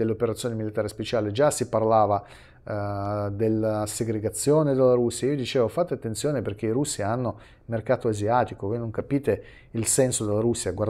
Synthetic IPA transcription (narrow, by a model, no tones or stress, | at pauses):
elːeopeɾat̪sjoːnemilit̪aːɾespet͡ʃaːled͡ʒasiparlaːva | d̪elːaseɡɾeɡat̪sːjoːned̪elːaɾusːiaiːod̪it͡ʃeːvofat̪ːeat̪ːent̪sjoːneperk̟eiɾusːianːo | merkaːt̪oaziaːt̪ikovojnoŋkapiːt̪e | ilsɛnsod̪elːaɾusːiaɡwaɾr